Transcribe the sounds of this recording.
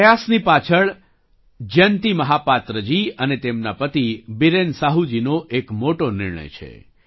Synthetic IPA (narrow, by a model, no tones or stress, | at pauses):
jasnipat͡ʃʰəɭ | d͡ʒənt̪iməɦapat̪ɾəd͡ʒiənet̪emnapət̪ibiɾensaɦud͡ʒinoʔekmoʈonɪɾɳə̰jt͡ʃʰḛ